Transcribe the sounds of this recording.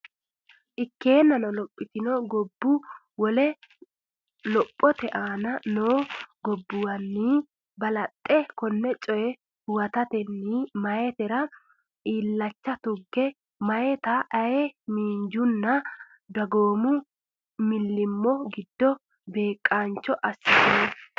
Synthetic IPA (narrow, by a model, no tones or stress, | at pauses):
ʔɪkːe̞ːnːɐnɔlɔpʼːɪt̪ɪnɔɡɔbːʊ | wɔlɛ | lɔpʼːɔt̪ɛʔaːnɐnoːɡɔbːʊwɐnːiː | bɐlɐt̪ʼːɛkɔnːɛt͡ʃʼɔjɛ | hʊwɐt̪ɐt̪ɛnːiːmɐjɛt̪ɛɾɐ | iːlːɐt͡ʃːɐt̪ʊɡːɛ | mɐjɛt̪ɐʔɐjɛmiːɲd͡ʒʊnːɐ | d̪ɐɡoːmʊ | mɪlːɪmːɔɡɪd̪ːɔ | be̞ːkʼːaːnt͡ʃːɔʔɐsːɪt̪ː